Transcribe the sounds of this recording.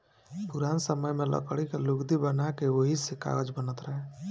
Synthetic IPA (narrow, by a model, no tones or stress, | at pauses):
puɾansəməjmelə̰kəɽikeluɡd̪ibənakeoɦisika̰ɡəd͡ʒbənət̪ɾəɦɛ